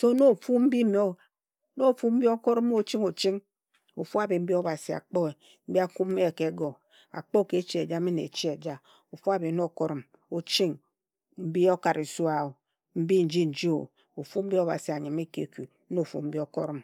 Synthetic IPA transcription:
so˦no˦˨fu˦m̩˦bi˦me˨o˦˨˦ | no˦˨fu˦m̩˦bi˦o˦ko˦ɾm˦o˦t͡ʃi˦ŋo˨t͡ʃi˦ŋ | o˨fu˦a˨be˨m̩˦bi˦o˦ba˨si˨a̰˨k͡po˦e˨ | m̩˦bi˦a˦ku˦e˦˨ke˨˦ɡo˨ | a̰˨k͡po˦˨ke˨˦t͡ʃi˦e˨d͡ʒa˦mi˦nḛ˨t͡ʃi˦e˨d͡ʒa˦ | o˨fu˦a˨be˨˦no˦˨ko˦ɾɔ˨m | o˨t͡ʃi˦ŋ | m̩˦bi˦o˦ka˨ɾi˨su˦a˨o˨ | m̩˦bi˦n̩˨d͡ʒi˦n̩˨d͡ʒi˦o̰˨ | o˨fu˦m̩˦bi˦o˦ba̰˨si˨a˨ɲi˨me˦kḛ˨ku˨˦no˦˨fṵ˦m̩˦bi˦o˦ko˦ɾɔ˦m

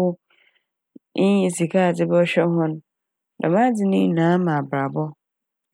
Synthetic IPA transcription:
ʊ˦ | ĩ˨si˨kʰa˦˨d͡zɪ˦bɛ˦ɔ˦ɕᶣɛ˦ɦɔ̃˦n˦ | da̰˨mã˦d͡zɪ˨nɪ̃˦nãː˨˦mã˨bɾa˨bɔ˦

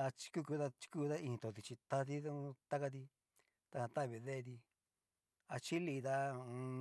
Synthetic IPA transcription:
a˧t͡ʃi̥˧˦ku˦ku˧t̪a˦t͡ʃi̥˧kuː˦˧ða˦ĩ˧ĩ˧t̪o˨˧˨t̪̬i˧t͡ʃi˧t̪a˦t̪i˦˧t̪a˦ka˧t̪̬i˧ | t̪a˧hã˧t̪a˦˨βi˧ðe˦˧t̪̬i˧ | a˧t͡ʃi˦li˧t̪a˦ũ˧

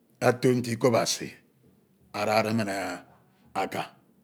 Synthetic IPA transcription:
a˦to˦n̩˦ti˦ko˦ba˨sḭ˨ | a˨ɾa˨ɾe˦me˦˨ne˨ | a˨ka˨

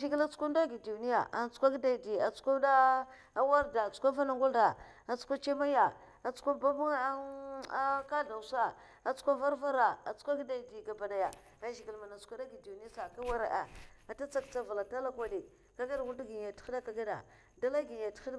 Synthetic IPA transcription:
ʒi˦ɡi˦la˦t͡su̥˦kʷa˦nda˦ɡi˨du˨ni˦ja˨ʔa˨n˦t͡su̥˦a˦ɡi˦da˨di˨a˨t͡su̥˦kʷa˦da˦ | wa˦ɾda˨t͡su̥˦kʷa˦va˦na˨ŋɡʷu˦lda˨ | a˨t͡su̥˦kʷa˦t͡ʃe˦ma˦ja˨ | a˨t͡su̥˦kʷa˦ba˦ba˦a˦ka˦da˨wsa˦ | a˨t͡su̥˦kʷa˦va˦ɾva˦ɾa˨a˨t͡su̥˦kʷa˦ɡi˦da˨i˨di˨ɡa˨ba˨da˨ja˨ | a˨ʒi˨ɡi˨lma˨na˨t͡su̥˦kʷa˦da˦ɡi˨di˨ni˦a˦sa˨ka˦wa˦ɾa̰˨ʔa̰˨a˨ta˦t͡sa˦kt͡sa˦va˨la˨ta˦la˦kʷa˦di˨ | ka˦ɡa˦da˨wu˦dɡi˨a˨ti̥˦da˦ka˦ɡa˦da̰˨ | da˦la˦ɡi˨a˨ti̥˦xi˦d

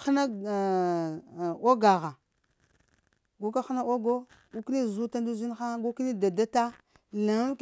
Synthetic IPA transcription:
xna˦˨ | o˦ɡa˨ɣa˨ | ɡu˦ka˦xna˦o˦ɡo˦ | ɡu˦kni˦˨zu˦ta˦n˦du˦zi˦nxa˦ɡu˦ki˦ni˦da˨da˦ta˦ | la˨˦k

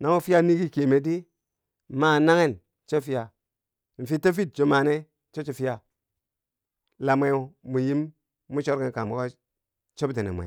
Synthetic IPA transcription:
na˦ŋo˦fi˦ja˦ni˦ɡi˦ki˨me˨di˦ | ma˦˨na˦ŋe˦˨n | t͡ʃo˦fi˦ja˨ | n̩˨fi˦te˦fi˦t̚d͡ʒo˨ma˨ne˦ | t͡ʃo˦t͡ʃo˨fi˦ja˨ | la˨m˦e˨˦o˨mu˨ji˦mː | u˦t͡ʃo˦ɾki˦ka˨mu˨ka˦ | t͡ʃo˦bde˨nḛ˨mʷ˨ḛ˨

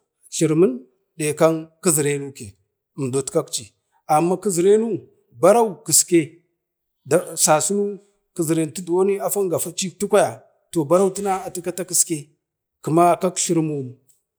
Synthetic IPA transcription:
ʃi˨ɾmə˦n | ɗe˨ka˦nki˦zi˨ɾe˦nu˦ke˨ | m˨do˨tka˦kt͡ʃi˨ | a˨mːa˦ki˦zi˨ɾe˦nu˦ | ba˦ɾa˦u˨ki˨ske˦ | da˦sa˨su˦nu˦ | ki˨zi˨ɾe˨n˨ti˦du˨wo˦ni˦a˦fa˦ŋɡa˨fa˦t͡ʃi˦kti˦kʷa˦ja˨ | to˨ba˦ɾa˦wu˦ti˦na˦a˨ti˦ka˦ta˦ki˨ske˦ | ku˨ma˦ka˦kʃi˦ɾmu˨mu˨

